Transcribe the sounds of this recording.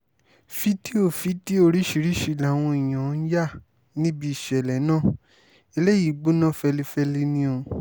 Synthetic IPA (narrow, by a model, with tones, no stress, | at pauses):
fi˦ti˦o˦˨fi˦ti˦o˧ɾi˦ʃi˧˦ɾi˦ʃi˧˨la˨˦˨w̃ɔ̃˧i˨j̃ã˨˦n̩˦ja˦˨ | nĩ˦bi˧˦i˨ʃɛ˨lɛ˨˦nãː˦˨ | e˧le˦ji˨˦ɡ͡bu˦nã˦˨fɛ˧li˦fɛ˦˧li˦nĩ˦o˧